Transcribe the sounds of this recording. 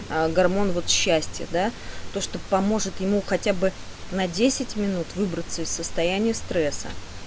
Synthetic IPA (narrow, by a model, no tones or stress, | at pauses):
əɡɐrmo̞nvo̞t̪ɕːæsʲtʲɪjə̰d̪at̪o̞ʂt̪o̞pɐmo̞ʐɨt̪jɪmuxɐtʲabɨnɐdʲesʲɪtʲmʲɪnut̪vɨbɾət̪səɪsəst̪ɐjænʲɪjəst̪ɾɛsə̰